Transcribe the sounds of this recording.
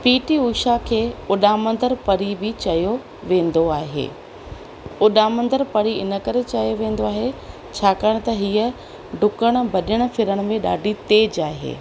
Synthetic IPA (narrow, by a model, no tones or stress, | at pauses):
piːʈiuːʃakʰeːʊɗaːmə̃nd̪əɾpɐɾibɪt͡ɕɐjo | ʋẽːnd̪oaːɦḛː | ʊɗaːmə̃nd̪əɾpɐɾiɪnə̆kɐɾet͡ɕɐjoʋẽːn̆d̪oaːɦe | t͡ɕʰaːkaːɽ̃t̪ɐɦiːə | ɖʱʊkəɽ̃ʊ̆bɐɗəɽ̃ʊ̆fɪɾəɽ̃̆mẽɗa̰ːɖʱit̪eːd͡ʑaːɦḛː